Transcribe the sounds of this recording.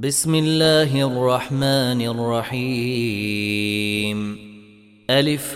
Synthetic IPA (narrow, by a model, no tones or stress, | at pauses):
bɪsmɪlːaːɦʔɑrˤːɑħmaːnʔɑrˤːɑħiː | m | ʔalɪf